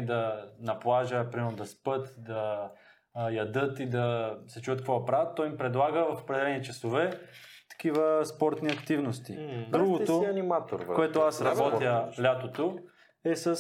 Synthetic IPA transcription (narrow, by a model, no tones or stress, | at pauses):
d̪ɐnɐplˠaʒəpɾimɛɾnʊd̪ɐspɤt̪d̪ɐ | jɐd̪ɤt̪id̪ɐsɛt͡ʃuvət̪kvɔpɾat̪ːɔjmpɾɛd̪lˠaɡəvɐfo̥pɾɛd̪ɛlɛnit͡ʃɐsovɛ | t̪ɐ̥k̟ivəspɔɾt̪niɐkt̪ivnost̪id̪ɾuɡot̪oɐnimat̪o̰ɾvkoɛt̪oasɾɐbɔt̪jəlʲat̪ot̪o | ɛsəs